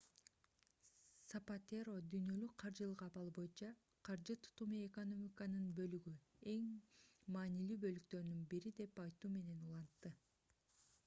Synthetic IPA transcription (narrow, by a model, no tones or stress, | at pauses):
sɐpat̪eɾo̞d̪yjnø̞lyk̚qʰɑɾd͡ʒɯlˠɯʁɑpɑlˠbo̞jɯnt͡ʃɑ | qʰɑɾd͡ʒɯt̪ʰu̥t̪umieko̞no̞mʲikɑnɯnbø̞lyɡye̞ŋmɑːnilyːbø̞lyk̚t̪ø̞ɾnynbiɾid̪e̞pɑjt̪uːme̞ne̞nulˠɑnt̪ːɯ